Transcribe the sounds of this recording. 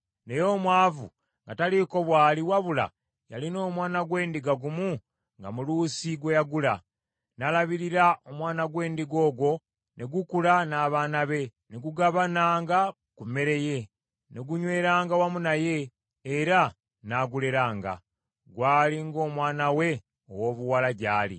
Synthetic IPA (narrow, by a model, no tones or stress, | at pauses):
ne̞jo̞ːmwaːvṵ | ŋɡataliko̞βwaːliwaβula̰ | jalino̞ːmwaːnaɡwe̞ːndiɡaɡumu | ŋɡa̰mulusiɡwe̞jaɡula̰ | nalaβiɾiɾaʔo̞mwaːnaɡwe̞ːndiɡo̞ːɡwo̞ | neɡukulanaːβaːnaβe̞neɡuɡaβanaːŋɡa | kume̞ɾe̞je̞ | neɡuɲwe̞ːɾaːŋɡawamunaje̞ː | ɾa | naɡule̞ɾaːŋɡa̰ | ɡwaːliŋɡo̞ːmwaːnawe̞ | o̰wo̞ːβuwalaɟaːlḭ